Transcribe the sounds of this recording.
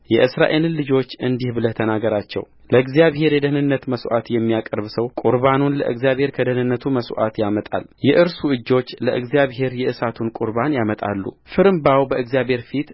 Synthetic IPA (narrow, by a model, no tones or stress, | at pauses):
jɛʔɨsɾa̰ʔelɨnlːɨd͡ʒo̞t͡ʃːɨnd̪ihbɨlət̪ʰənaɡəɾat͡ʃːɛ̰w | ləɨɡzijaβhe̞ɾjɛd̪əhnɨnːət̪məsʔat̪jɛmːijakʼəɾβsəwkʼuɾβanunlə̰ʔɨ̰ɡzjaβhe̞ɾkʰəd̪əhnɨnːət̪ʰuməsʔa̰t̪jamət̪ʼa̰ljɛʔɨɾsuɨd͡ʒːo̞t͡ʃːləʔɨɡzijaβɦe̞ɾjɛʔɨsat̪ʰunkʼuɾβanjamət̪ʼa̰lːṵ | fɨɾɨmbawbəɨɡzijaβhe̞ɾfit̪